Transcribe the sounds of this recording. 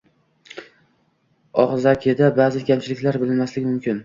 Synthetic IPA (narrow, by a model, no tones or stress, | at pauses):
ɒχzakʲʰed̪abaːzɪkʲʰamt͡ʃʰɪlɪkʲlaɾbɪlɪnmaslɪɪmʊmkʲʰɪn